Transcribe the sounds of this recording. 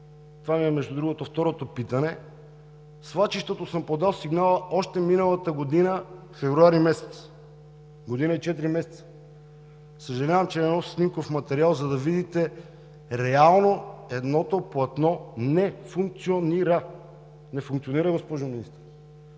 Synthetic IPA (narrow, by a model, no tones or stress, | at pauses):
t̪ovamiɛmɛʒd̪ud̪ɾuɡot̪oft̪ɔɾot̪opit̪ɐnɛ | svˠat͡ʃiʃt̪ot̪osəmpod̪alˠsiɡnalˠəɔʃt̪ɛminəlˠət̪əɡod̪inə | fɛvɾuaɾimɛsɛ̥t̪s | ɡod̪inəit͡ʃɛt̪ɾimɛsɛ̥t̪sə̥ | səʒɛlʲavɐmt͡ʃɛːnɔssnimkofmɐt̪ɛɾialˠzɐd̪ɐvid̪it̪ɛ | ɾɛalˠnoɛd̪nɔt̪oplˠɐt̪nɔnɛfuŋk̚t̪sioniɾə | nɛfuŋkt̪sioniɾəɡospɔʒʊminist̪əɾ